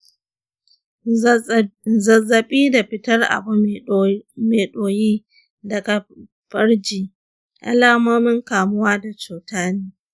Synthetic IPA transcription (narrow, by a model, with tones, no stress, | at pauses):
zɐ˨zɐ˨ɓiː˦da˨ɸɪ˦tɐ˦rʔa̰˨˦ | meː˨ɗoː˨jiː˦ | dɐ˨ɡa˨ | ɸɐ˦rd͡ʒiː˨ | ʔa̰˦laː˦moː˦mɪ˦ŋkaː˨mʊ˦waː˦da˨t͡ʃuː˨taː˦neː˦